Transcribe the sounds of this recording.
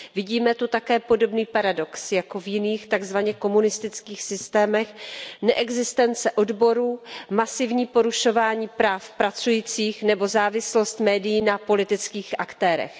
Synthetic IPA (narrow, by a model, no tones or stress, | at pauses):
vɪɟiːmɛt̪ut̪akɛːpo̞do̞bniːpaɾado̞ksjako̞vjɪniːxt̪aɡzvaɲɛko̞munɪst̪ɪt͡skiːxsɪst̪ɛːmɛxnɛʔɛɡzɪst̪ɛnt͡sɛʔo̞dbo̞ɾuːmasɪvɲiːpo̞ɾuʃo̞vaːɲiːpɾaːfpɾat͡sujiːt͡siːxnɛbo̞zaːvɪslo̞st̪mɛːdɪjiːnapo̞lɪt̪ɪt͡skiːxʔakt̪ɛːɾɛ̰x